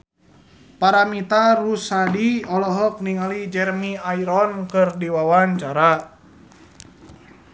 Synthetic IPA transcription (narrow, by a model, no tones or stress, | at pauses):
paɾamit̪arusadiɔlɔɦɔk̚niŋalid͡ʒɛrmiaiɾɔnkɨrdiwawaɲt͡ʃaɾa